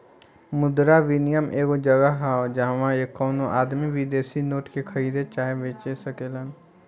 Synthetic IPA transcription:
mʊd̪ɾaʋɪnijəmʔeːkod͡ʒɐɡaɦad͡ʒɐɦãʋãekːɔːnõʔaːd̪miʋid̪eːsinoːʈkekʰɐɾiːd̪ʱet͡ʃaːɦeʋeːt͡ʃesɐkeːlən

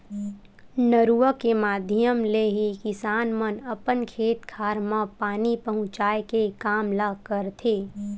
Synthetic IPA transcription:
nəɾuəkemaːd̪ʱjəmleɦikɪsaːnmənəpənkʰeːt̪kʰaːɾmãpaːnipəɦʊ̃t͡ʃaːekekaːmlakəɾt̪ʰeː

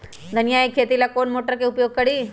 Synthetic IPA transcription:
d̪ʱənjaekʰːet̪ilakoɳmoʈəɾkeupjoɡ̚kəɽiː

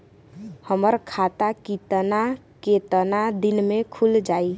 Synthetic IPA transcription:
həməɾkʰat̪akit̪ənaket̪ənad̪inmekʰuld͡ʒaj

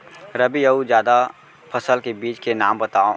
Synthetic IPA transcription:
ɾəbijɐud͡ʒjaːd̪a | pʰɐsəlkebiːt͡ʃkenaːmbɐt̪aːõ

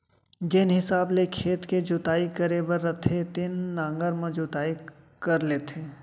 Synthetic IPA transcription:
ɡeːnɦɪsaːblekʰeːt̪ked͡ʒʊt̪aːikəɾebəɾːɐt̪ʰet̪ɪnːãːŋɡəɾmə̃d͡ʒʊt̪aːi | kɐɾleːt̪ʰeː

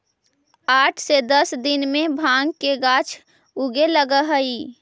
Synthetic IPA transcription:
aːʈʰsed̪əsd̪ɪnmẽbʱaŋɡkeɡat͡ʃʰ | uɡeləɡəɦəi

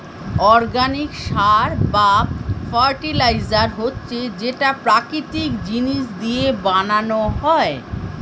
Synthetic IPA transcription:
ɔɾɡanikʃaɾbafʰaɾʈilajd͡ʑaɾɦotːɕʰed͡ʑeʈapɾakɾit̪ikd͡ʑiniʃd̪iebananoɦɔe

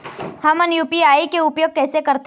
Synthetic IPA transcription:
hɐmɐnjuːpiaːikeʊpjoːɡ̚kɛːsekɐɾt̪

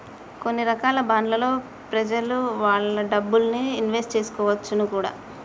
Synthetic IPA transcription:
ko̞nːiɾɐkaːlɐbaːnlɐlo̞ː | pɾɐd͡ʒɐluʋaːɭːɐɖɐbːulniinʋesʈ̚t͡ʃe̞ːsu̥kɔːʋɐt͡ʃːunukuːɽa̰ː

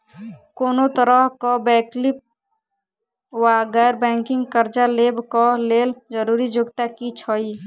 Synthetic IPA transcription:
koːnot̪əɾəɦkɔbɛːklɪp̚ | waɡɛːɾbɛ̃ːŋkɪ̃ŋɡkəɾd͡ʒaleːbkɔleːld͡ʒəɾuːɾid͡ʒʊɡt̪akit͡ʃʰɔi

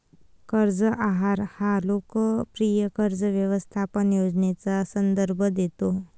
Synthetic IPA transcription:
kəɾd͡zəʔaɦaɾhalokəpɾijəkəɾd͡zəʋjəʋəst̪ʰapənjod͡znet͡sasənd̪əɾbʱəd̪et̪o

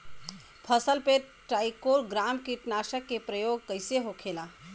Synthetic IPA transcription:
pʰəsəlpe | ʈɾaːjkoɾɡɾaːmkiʈnaːʃəkːepɾəjoːɡ̚kəɪseɦokʰela

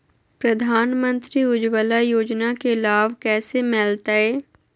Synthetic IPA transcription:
pɾəd̪ʱaːnmə̃nt̪ɾiʊd͡ʒwəlajoːd͡ʒnakelaːʋkɛːsemɛːlt̪aɦɛː

